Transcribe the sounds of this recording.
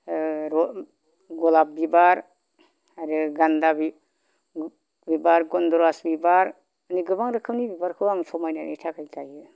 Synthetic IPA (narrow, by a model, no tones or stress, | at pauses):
ɾɔ | ɡɔlap̚bibaɾ | aɾiɡandabi | bibaɾɡɔndɔɾasbibaɾ | niɡɯbaŋɾɯkʰɯwnibibaɾkʰɯwaŋsʰɔmajnanitʰakʰajtʰajɯ